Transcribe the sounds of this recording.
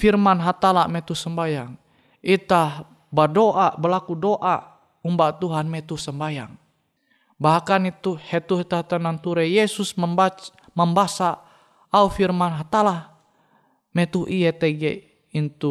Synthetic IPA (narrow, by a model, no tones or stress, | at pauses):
firmanɦat̪alamɛt̪usəmbajaŋ | it̪ah | bədoʔabəlakudoʔa | umbat̪uɦanmɛt̪uhsəmbajaŋ | baɦkanit̪uhɛt̪uɦit̪aht̪anant̪uɾɛjɛsusməmbat͡ʃ | məmbasa | aufirmanɦat̪alah | mɛt̪uʔijɛt̪ɛɡɛ̰ | int̪u